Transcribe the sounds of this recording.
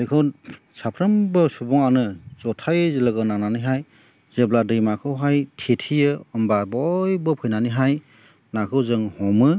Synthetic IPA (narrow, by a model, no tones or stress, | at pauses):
ekʰɯw | sapʰɾɯmbɯsubɔŋanɯz̥ɔtʰajzelɯɡɯnananɯjɦaj | zebladɯjmakʰɯwɦajtʰetʰijɯɔmbabɔjbɯpʰɯjnanɯɦaj | nakʰɯwzɯŋhɔmɯ